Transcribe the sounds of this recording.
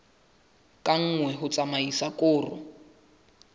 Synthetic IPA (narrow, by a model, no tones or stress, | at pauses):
kʼaŋ̩ŋwɛɦʊt͡sʼamaisakʼʊːrʊ̰